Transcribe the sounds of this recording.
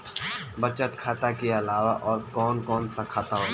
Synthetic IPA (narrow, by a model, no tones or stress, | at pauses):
bɐt͡ʃət̪kʰaːt̪akeɐlaːʋaʔɔːɾkɔːnkɔːnsakʰaːt̪aɦoː